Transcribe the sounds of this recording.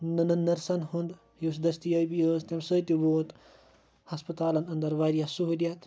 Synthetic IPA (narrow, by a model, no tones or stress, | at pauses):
nɐnɐnnːɐɾsɐnɦũnd̪ | jusd̪ɐst̪ijɐjbijəst̪ɐmsət̪iʋoːt̪ | hɐspɐt̪aːlɐnɐnd̪ɐɾʋaːɾijasuɦuljat̪